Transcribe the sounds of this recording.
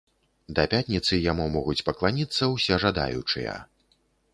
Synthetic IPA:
d̪ɐpʲat̪ʲnʲit̪sɨjamumɔɣut͡sʲpɐklˠanʲit̪sːɐwsʲɛʐad̪a̰jṵt͡ʂɨ̰jɐ̰

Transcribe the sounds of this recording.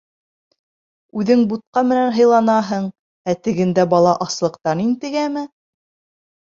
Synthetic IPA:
ʉðɘŋbut̪̚qɑmɘ̆nænɦɤ̆jlˠɑnɑɦɤɴ | æt̪ɘ̆ɡɘ̆nd̪æbɑlˠɑʔɑslˠɤ̆qt̪ɑnint̪ɘ̆ɡæmɘ

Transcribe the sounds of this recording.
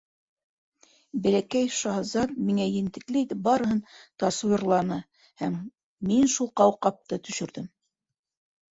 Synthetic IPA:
bɘ̆lækæjʃɑhzɑt̪̚miŋæjɘ̆nt̪ɘ̆klɘit̪ɘp̚bɑɾɤ̆hɤnt̪ɑswɤɾlˠɑnɤ | hæmː | inʃulˠqɑwqɑp̚t̪ɤt̪ɵ̆ʃɵ̆ɾðɘm

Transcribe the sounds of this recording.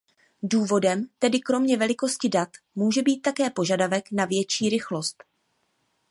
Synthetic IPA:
duːvo̞dɛmt̪ɛdɪkɾo̞mɲɛvɛlɪko̞scɪdat̪ | muːʒɛbiːt̪̚ːakɛːpo̞ʒadavɛknavjɛt͡ʃiːɾɪxlo̞st̪

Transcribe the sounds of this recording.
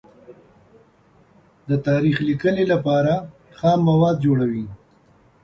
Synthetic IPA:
d̪ət̪ɑːɾixlikəlelapɑːɾa | xɑːmːawɑːd̪̚d͡ʒoɽawi

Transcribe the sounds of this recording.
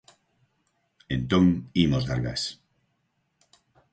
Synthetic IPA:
ent̪oŋimozðaɾɣas

